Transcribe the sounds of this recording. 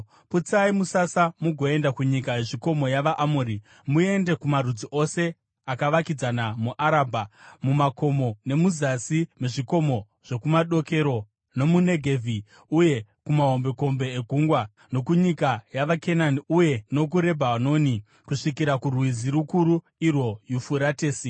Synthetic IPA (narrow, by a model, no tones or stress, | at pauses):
put͡saimusasamuɡʱo̞e̞ndakuɲikaeʐiko̞mo̞jaʋaʔamuːɾi | mue̞nde̞kumarud͡ziʔo̞se̞ | akaʋakid͡zanamuʔaɾaːbʱamumako̞mo̞ne̞muzasimeʐiko̞mo̞ | ʐ̥e̞kumaɗo̞ke̞ɾo̞ | no̞mune̞ɡʱevʱi | uje̞kumaɦo̞mbe̞ko̞mbe̞ːɡʱuːŋɡwa | no̞kuɲikajaʋakʰenaniuje̞no̞k̬uɾe̞bʱaano̞ni | kuʂikiɾakurwiziɾukuɾu | irwo̞jufuɾateːsi